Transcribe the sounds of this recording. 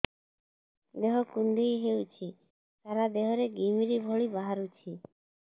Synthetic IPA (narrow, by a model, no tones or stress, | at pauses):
d̪eɦɔkuɳɖijɦewt͡ʃʰi | t̪aɾad̪eɦɔɾeɡimiɾibʱɔɭibaɦaɾut͡ʃʰi